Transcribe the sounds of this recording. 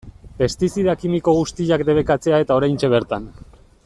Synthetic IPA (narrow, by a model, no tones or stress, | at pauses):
pe̞st̪isiðakimiko̞ɣ̞ust̪iʎakd̪e̞β̞e̞kat͡se̞ae̞t̪ao̞ɾajnt͡ʃe̞β̞e̞ɾt̪an